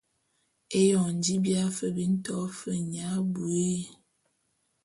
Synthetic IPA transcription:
e˦jɔ˨ŋn̩˨di˦bja˦fə˨bi˦n̩˦tɔ˦fə˦ɲa˨˦bu˨e˦

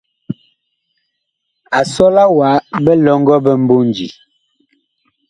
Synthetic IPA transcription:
a˨sɔ˦la˦wa˨˦bɛ˦lɔ˦ŋ̩˦ɡɔ˦bɛ˦m̩˦bo˦n˨d͡ʒḭ˨

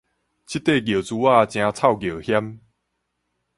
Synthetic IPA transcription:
t͡ɕʰi˦t̪ːe˥˧˨ɡjo˨˩t͡su˧wa˥˧t͡ɕj̃ã˧t͡sʰa˥˨wɡjo˨˩hja˦m

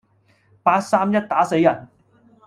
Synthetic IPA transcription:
paː˧t̚saː˥mjɐ˥t̚t̪aː˨˥se˧jːɐ˨˩n

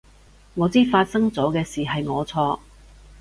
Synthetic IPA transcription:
ŋɔː˨˧t͡siː˥faː˧t̚sɐ˥ŋt͡sɔː˨˥kɛː˧siː˨ɦɐ˨jŋɔː˨˧t͡sʰɔː˧

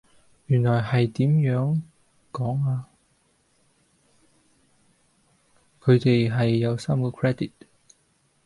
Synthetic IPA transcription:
jyː˨˩nlɔː˨˩jhɐ˨jt̪iː˨˥mjœː˨˥ŋ | kɔː˨˥ŋaː˧ | kʰɵ˨˧ɥt̪e˨jɦɐ˨jːɐ˨˧wsaː˥mkɔː˧kʰɹɛː˥d̪i˨t̚

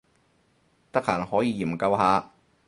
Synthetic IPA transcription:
t̪ɐ˥k̚haː˨˩nhɔː˨˥jiː˧jiː˨˩mkɐ˧wɦaː˨˧

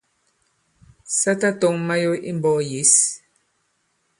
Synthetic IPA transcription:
sa˦ta˦tɔ˨ŋma˦jo˦ʔḭ˦mbɔː˦˨je˨˦s

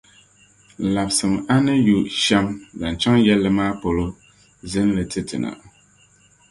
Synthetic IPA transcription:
la˨bsɨ˨ma˦nɨ˦ju˨ʃɛ˦mda˨n˨t͡ʃa˦ŋjɛ˦lːɨ˦maː˦po˨lo˦ | zɨ˦n˦lɨ˨tʰɨ˦tɨ̰˨nʔa̰˨

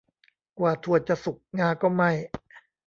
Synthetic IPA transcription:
kwaː˨˩t̪ʰu˨˩ət̪̚t͡ɕa˨˩su˨˩k̚ŋaː˧kɔː˥˩ma˥˩j

